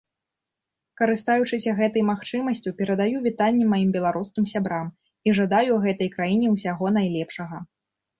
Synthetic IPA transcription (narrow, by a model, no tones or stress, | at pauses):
kɐɾɨst̪ajut͡ʂɨsʲɐɣɛt̪ɐjmaxt͡ʂɨmɐsʲt͡sʲupʲɛɾɐd̪ajuvʲit̪anʲːɛmajimbʲɛlˠaɾuskʲimsʲabɾam | iʐad̪ajuɣɛt̪ɐjkɾajinʲɛwsʲaɣɔn̪ajlʲɛpʂɐɣɐ